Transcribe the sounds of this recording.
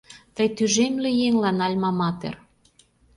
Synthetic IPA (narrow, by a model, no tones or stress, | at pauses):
t̪əjt̪yʒemlejeŋlɑnɑlʲmɑmɑt̪ḛr